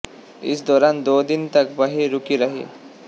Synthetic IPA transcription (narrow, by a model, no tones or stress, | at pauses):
ɪ̰sd̪ɔːɾand̪oːd̪int̪əkbəɦiɾukiɾəɦḭ